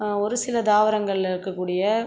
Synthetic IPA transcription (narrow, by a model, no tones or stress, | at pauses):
ɔɾɯsɪlɐd̪aːʋɐɾɐŋɡɐɭlɪɾɯkːɐkːuːɽɪjɐ